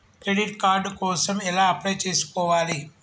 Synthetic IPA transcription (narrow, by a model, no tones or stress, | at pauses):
kɾeɽiʈkaːɾɖkɔːsɐmɛlaːɐpɽɐjt͡ʃeːsu̥kɔːʋaːli